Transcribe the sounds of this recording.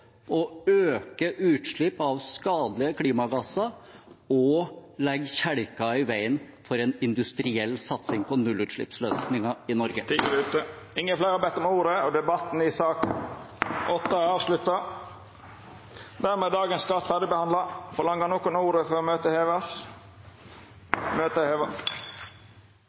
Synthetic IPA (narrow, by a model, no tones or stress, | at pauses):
ɔøːkəʔʉːt̪ʂɭɪpːɑʋskɑːd̪lɪəkʰliːmɑɡɑsɑ | ɔlɛɡçæɽkɑɪʋæɪn | fɔɾɛnɪnd̪ʉst̪ɾɪɛlːsɑt̪sɪŋpʰɔnʉlːʉt̪ʂɭɪ̰psløːsnɪŋɑɪnɔɾɡət̪ʰɪəʋʉːt̪əɪŋːənflæɾhɑbɛt̪ːɔmuːɾəɔd̪ɛbɑt̪ːn̩ɪsɑːk | ʔɔt̪ːɑɑːʋslʉt̪ːɑ | d̪æɾmeːd̪ɑːɡənskɑt̪fæd̪əbəhɑnd̪lɑfɔlɑŋəɑnoːkʊnuːɾəfɔɾɔmøːt̪əheːʋɑs | møːt̪əheːʋɑ